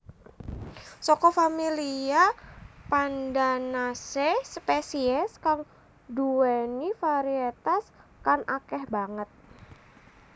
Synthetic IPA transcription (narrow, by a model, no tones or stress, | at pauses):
sɔkɔfamiliapandanasesəpesiɛskaŋ | duɛnifaɾiet̪askanakɛhbaŋət̪̚